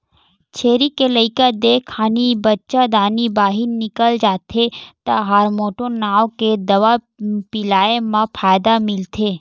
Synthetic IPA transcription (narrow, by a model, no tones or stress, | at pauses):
t͡ʃʰeɾikeləikad̪ekʰːanibətːt͡ʃad̪anibaːɦinːɪkəld͡ʒat̪ʰet̪aɦaɾmoʈonaʋoked̪əʋa | pilaemãpʰajd̪amɪlt̪ʰe